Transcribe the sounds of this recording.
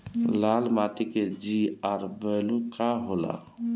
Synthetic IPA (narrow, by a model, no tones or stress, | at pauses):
lalmat̪iked͡ʒiaɾbəɪlukaɦola̰